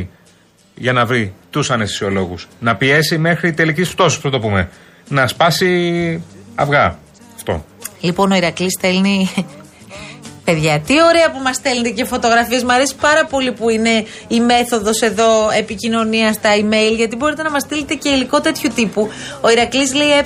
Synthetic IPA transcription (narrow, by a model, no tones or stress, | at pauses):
ʝɐnɐvɾit̪usɐnest̪i̥sio̞lo̞ɣusnɐpie̞sime̞xɾit̪e̞licisft̪ososposɐt̪o̞pume̞̰ | nɐspɐsi | ɐ̰vɣɐ | ɐft̪o̞̰ | lipo̞no̞iɾɐklist̪e̞lni | pe̞ðʝɐt̪io̞ɾe̞ɐpumɐst̪e̞lnice̞fo̞t̪o̞ɣɾɐfie̞smɐɾe̞si̥pɐɾɐpo̞lipuine̞ | ime̞θo̞ðo̞se̞ðo̞e̞picino̞niɐst̪ɐime̞jlʝɐt̪ibo̞ɾit̪e̞nɐmɐst̪ile̞t̪e̞ce̞iliko̞t̪e̞t̪çut̪ipuo̞iɾɐklizle̞ie